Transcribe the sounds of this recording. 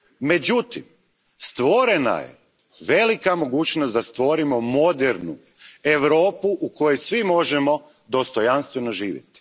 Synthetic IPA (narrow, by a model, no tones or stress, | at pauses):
me̞d͡ʑut̪im | st̪ʋo̞ɾe̞na̰jḛ | ʋe̞likamo̞ɡuːt͡ʃnosd̪ast̪ʋo̞ɾimo̞mo̞d̪eɾnṵ | e̞ʋɾo̞ːpuʔuko̞jesʋimo̞ʒemo̞ | d̪ost̪ojanst̪ʋe̞no̞ʒiːʋjḛt̪i̥